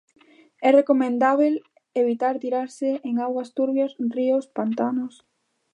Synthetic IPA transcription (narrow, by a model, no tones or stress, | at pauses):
ɛrekomẽnd̪aβ̞el | eβit̪aɾt̪iɾaɾsɪʔeŋaɣwɐst̪uɾβjosriospant̪anʊs